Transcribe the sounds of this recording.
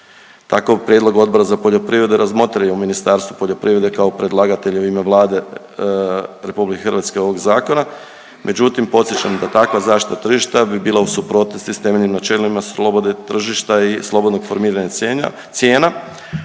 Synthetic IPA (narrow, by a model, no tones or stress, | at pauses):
t̪akoʋpɾjed̪lˠo̞ɡo̞d̪̚bo̞ɾazapoʎo̞pɾiʋɾe̞d̪eɾʔazmo̞t̪ɾajeuminist̪aɾst̪ʋupo̞ʎo̞pɾʔiːɾe̞d̪ekaopɾe̞d̪lˠaɡat̪e̞ʎuime̞ʋlˠaːd̪e̞ | ɾe̞publikexərʋat̪skeo̞ʋo̞ɡzaːko̞na | mʔe̞d͡ʑut̪impo̞t̪sjet͡ɕamd̪at̪akʋazaːʃt̪i̥t̪at̪r̩ʒiʃt̪abibiːlˠausupɾo̞t̪nost̪ist̪e̞meʎimnat͡ʃe̞limasod̪et̪r̩ʒiʃt̪aislˠo̞bo̞d̪no̞ɡ̥fo̞ɾmiːɾaɲa | sʲjeːna